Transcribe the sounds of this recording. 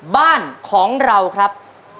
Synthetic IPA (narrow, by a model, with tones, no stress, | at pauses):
baː˥˩nkʰɔː˩˦ŋɾa˧wkʰɾa˦˥p̚